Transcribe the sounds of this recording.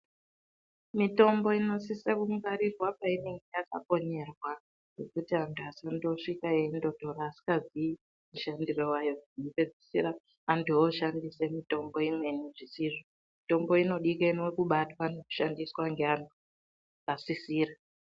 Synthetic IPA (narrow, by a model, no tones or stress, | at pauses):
mito̞mbo̞ino̞sisekuŋɡaɾirwapaineŋɡejaka̰ko̞ɲe̞rwa | ɡe̞kutiantʰuasando̞ʂikaendo̞dʱo̞ɾaːsi̥kazii | muʃandiro̞wajo̞inope̞d͡zisiraː | ntuoʃandise̞mito̞mbo̞imwe̞niʐisiʐo | mito̞mbo̞ino̞ɗikenewekuɓatwaneku̥ʃandiswaŋɡeantu | asisiːra